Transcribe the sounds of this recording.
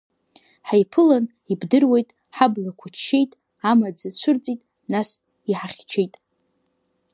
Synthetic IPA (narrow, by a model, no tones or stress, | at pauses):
ħajpʰɨlan | ibdɨrwe̞jtʼ | ħablakʷʰʊt͡ʃʰʃe̞jtʼ | amad͡zat͡ʃʷʰʊrt͡sʼitʼ | nas | iħaχʲt͡ʃʰejtʼ